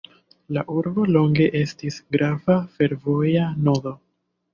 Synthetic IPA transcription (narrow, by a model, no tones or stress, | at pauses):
laʔuɾbo̞lo̞ŋɡe̞ʔe̞stisɡɾavafe̞ɾvo̞jano̞do̞